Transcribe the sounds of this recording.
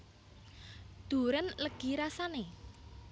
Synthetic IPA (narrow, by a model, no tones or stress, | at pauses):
d̪̥ṳɾənləɡ̥i̤ɾasane